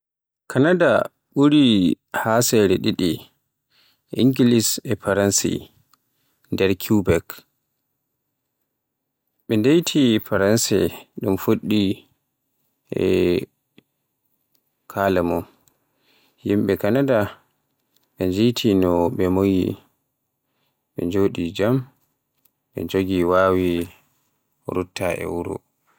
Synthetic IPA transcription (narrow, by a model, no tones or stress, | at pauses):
kʰanada | ɓuɾi | hasɛɾɛɗiɗi | ʔḭŋɡilisɛpaɾansḭ | ndɛɾkʰubɛk | ɓɛndejtʰifaɾansɛ̰ɗumfoɗːi | ɛ̰ | kʰalɛmɔ | himɓɛkanada | ɓɛnd͡ʒejtʰinɔɓɛmojḭ | ɓɛd͡ʒoːɗid͡ʒam | ɓɛ̰d͡ʒoɡiwaːwi | ɾutːaɛ̰wuɾṵ